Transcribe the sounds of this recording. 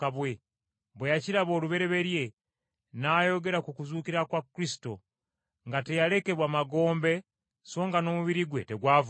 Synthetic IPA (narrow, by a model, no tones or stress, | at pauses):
kaβwe | βwejaciɾaβo̞ːluβe̞ɾe̞βe̞ɾje̞ | naːjo̞ɡe̞ɾakukuzuːkiɾakwakɾisi̥to̞ | ŋɡate̞jale̞ke̞βwaːmaɡo̞ːmbe̞ | so̞ːŋɡano̞ːmuβiɾiɡweteɡwaːv